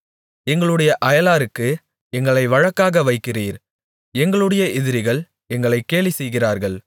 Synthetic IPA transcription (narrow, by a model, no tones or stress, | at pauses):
ɛŋɡɐɭɯɽɐjɐʔɐjɐlaːɾɯkːɯ | ɛŋɡɐɭɐɪʋɐɻɐkːaːɣɐʋɐɪkːɪriːɾ | ɛŋɡɐɭɯɽɐjɐɪðɪɾɪɣɐɭ | ɛŋɡɐɭɐɪkːeːɭisɛjɣɪraːɾɣɐɭ